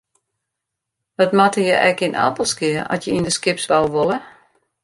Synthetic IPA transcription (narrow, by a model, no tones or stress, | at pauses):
dɔtmatəjəʔɛkinʔa̰pəlˠskɪəʔɔ̰sjəindəskɪpsʋalˠʋolˠə